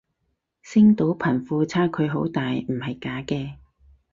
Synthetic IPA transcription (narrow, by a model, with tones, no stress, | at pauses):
sɪ˥ŋt̪o˨˥wpʰɐ˨˩nfuː˧t͡sʰaː˥kʰɵ˨˧ɥɦo˨˥wt̪aː˨jm̩˨˩hɐ˨jkaː˨˥kɛː˧